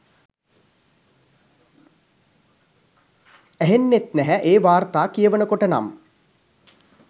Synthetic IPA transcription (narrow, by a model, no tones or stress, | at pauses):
æɦenːet̪næɦæʔeːʋaːrt̪aːkijəʋənəkoʈəna̰m